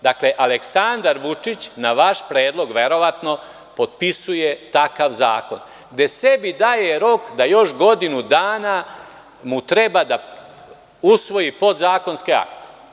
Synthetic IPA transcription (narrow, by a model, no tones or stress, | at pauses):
d̪akleʔaleksand̪aɾʋut͡ʂit͡ɕnaʋaʃpɾe̞ːd̪lˠo̞ɡʋe̞ɾo̞ʋat̪no̞ | po̞d̪̚pisuje̞t̪akaʋza̰ːko̞̰n | ɡd̪e̞se̞bid̪aːje̞ɾo̞kd̪ajo̞ʃɡo̞d̪inud̪aːna | mut̪ɾe̞bad̪a | usʋo̞jipo̞d̪zaːko̞nskea̰kt̪e̥